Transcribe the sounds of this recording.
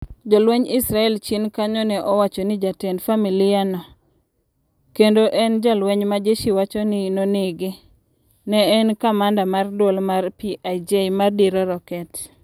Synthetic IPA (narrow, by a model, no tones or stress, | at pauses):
d͡ʒɔlwɛɲɪsɾaɛlt͡ʃinkaɲɔnɛʔɔwat͡ʃɔnɪd͡ʒatɛndfamilɪanɔ | kendoʔɛnd͡ʒalwɛɲmad͡ʒeʃiwat͡ʃɔnɪnoneɡe | nɛːnkamandamardwolmarpiʔaid͡ʒemardiɾɔɾɔkɛt